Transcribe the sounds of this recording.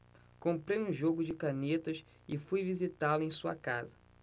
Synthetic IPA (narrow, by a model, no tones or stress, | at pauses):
kõmpɾejũʒoɡʊd͡ʒɪkanet̪ɐs | ɪfujvizit̪alʊẽj̃suɐ̰kazɐ